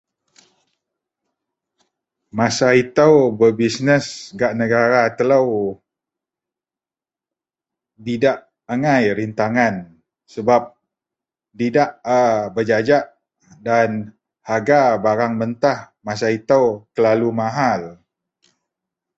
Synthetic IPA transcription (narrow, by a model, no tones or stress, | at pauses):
masait̪əwbəbisnəsɡaʔnəɡaɾat̪ələw | didaʔ | aŋajɾint̪aŋan | səbap̚ | didaʔabəd͡ʒad͡ʒaʔ | dan | haɡabaɾaŋmənt̪ah | masait̪əwkəlalumaɦal